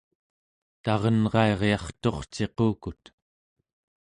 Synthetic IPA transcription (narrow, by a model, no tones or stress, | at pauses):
t̪ɑʁʌnʁɑe̞ʁjɑχt̪o̞χt͡ʃe̞quːkut̪